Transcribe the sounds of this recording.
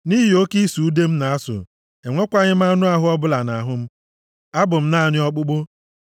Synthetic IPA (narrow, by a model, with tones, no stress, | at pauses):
ni˦ɦɪ˨o˦ki˦su˨u˦de˦m̩˦na˨a˦sʊ̰˨ | e˨ŋʷo˦kʷa˦ɲɪ˦m̩˦a˦nʊ˦a˦ɦʊ˦ɔ˦bʊ˦la˨na˨ɦʊ˦m̩˦ | a˦bʊ˨m̩˦na˦˨ɲɪ˦ɔ˦k͡pʊ˦ɡ͡bo˦